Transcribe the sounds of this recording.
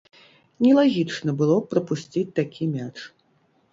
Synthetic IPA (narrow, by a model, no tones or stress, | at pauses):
nʲɛlˠaɣʲit͡ʂnɐbɨlˠɔpɾɐpusʲt͡sʲit͡sʲt̪akʲʰimʲat͡ʂ